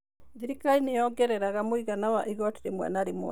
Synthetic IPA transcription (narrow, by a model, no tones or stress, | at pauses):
ðiɾikainejɔɡɛɾɛɾaɣamoiɣanawaʔiɣɔti̥ɾemwɛ̰naɾemwɛ̰